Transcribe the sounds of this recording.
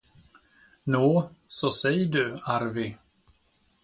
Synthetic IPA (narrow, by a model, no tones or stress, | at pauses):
nuːsɔsɛjːəɖɵaɾvɪ